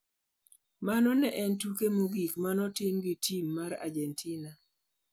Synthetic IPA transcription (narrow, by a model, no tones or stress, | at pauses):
manɔnɛʔɛntukemuɡikmanɔtɪmɡɪtʰimːaɾa̰d͡ʒɛntʰina